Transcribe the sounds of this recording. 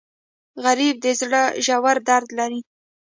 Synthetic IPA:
ɣaɾib̚d̪əzɽəʒawaɾd̪aɾd̪laɾi

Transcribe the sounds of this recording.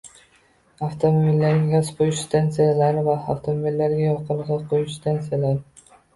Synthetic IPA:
aft̪ʰomobilːaɾʲɡʲaspʰojʊʃst̪ʰansijalaɾvaaft̪ʰomobilːaɾɡʲajɒqʰɨlˠʁɑqʰojʊʃst̪ʰansijalaɾ

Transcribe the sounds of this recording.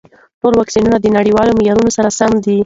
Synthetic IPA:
ʈolwɑksinunad̪ənaɽiwɑlomɪjɑɾunosaɾasamd̪i

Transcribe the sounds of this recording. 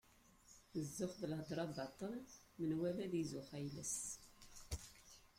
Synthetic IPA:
əzːʊfðəlhəd̪ˤɾˤɑbɑt̪ˤːən | mənwæmæðizʊfæjləs

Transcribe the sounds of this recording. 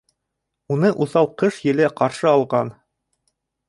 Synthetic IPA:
unɤʔuθɑwˠqɤʃjɘ̆læqɑɾʃɤɑlˠʁɑn

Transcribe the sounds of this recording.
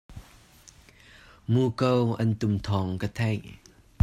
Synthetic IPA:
muːkəwʔɐnt̪ʊmt̪ʰɔŋkat̪ʰɐj

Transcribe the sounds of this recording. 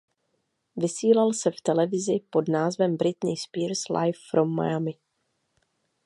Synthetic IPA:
vɪsiːlalsɛft̪ɛlɛvɪzɪpo̞dnaːzvɛmbɾɪt̪niːspiːɾslʔa̰jfːɾo̞mːa̰jamɪ

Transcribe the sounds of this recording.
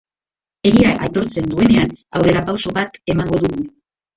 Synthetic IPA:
e̞ɾiaʔajt̪o̞ɾt͡se̞nd̪ue̞ne̞anawre̞ɾapawso̞βat̪e̞maŋɡo̞ðuɣu

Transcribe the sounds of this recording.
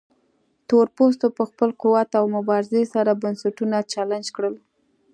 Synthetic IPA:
t̪oɾpos̬t̪opəxpəlquwat̪awmʊbɑɾɪzesaɾabansaʈunat͡ʃaland͡ʒkɽəl

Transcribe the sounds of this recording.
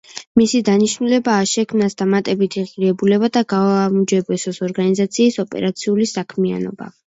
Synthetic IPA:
misid̪aniʃnulɛbaːʃɛkʰmnasd̪amat̪ʼɛbit̪ʰiʁiɾɛbulɛbad̪aɡaamud͡ʒɛbɛsɔsɔɾɡanizat̪sʰiːsɔpʼɛ̰ɾat̪sʰiulisakʰmia̰nɔba̰

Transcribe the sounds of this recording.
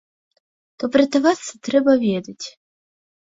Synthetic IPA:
t̪ɔpɾʲɐt̪ɐvasɨt̪ɾɛbɐvʲɛd̪ɐt͡sʲ

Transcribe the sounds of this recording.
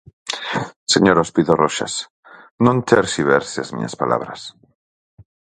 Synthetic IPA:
seɲoɾospiðoroʃa̰s | nõnt̪eɾsiβeɾseazmḭɲa̰spala̰βɾas

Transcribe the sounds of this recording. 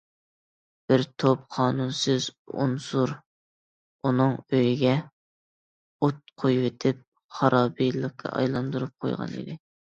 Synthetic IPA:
b̥ɪɾt̪ʰop̚qʰɑːnunsɨzṵnsuɾ | unɨŋøjiɡʲɛ | ut̪̚qʰojwet̪ʰɪp̚ | χɑɾʔɑːbijlˠəq̚ːʰɑ̰ʔɑ̰jlˠɑnd̪uɾup̚qʰo̰jʁɑ̰nɪ̰d̪ɪ

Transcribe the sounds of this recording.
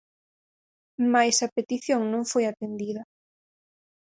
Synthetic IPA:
majsɐpet̪iθjoŋnõŋfojat̪end̪iðɐ

